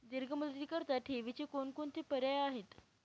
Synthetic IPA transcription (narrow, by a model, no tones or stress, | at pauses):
d̪iɾɡʱəmult̪ikəɾt̪aʈʰeʋit͡ɕekonkoɳt̪epəɾjajaɦet̪